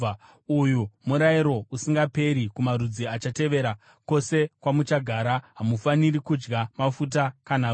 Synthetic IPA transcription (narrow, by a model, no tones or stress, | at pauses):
ujumuɾaiɾo̞usiŋɡape̞ɾikumaɾud͡ziat͡ʃate̞ʋe̞ɾa | ko̞se̞kwamut͡ʃaɡʱaɾaɦamufaniɾikud͡ʒɡamafut̬akana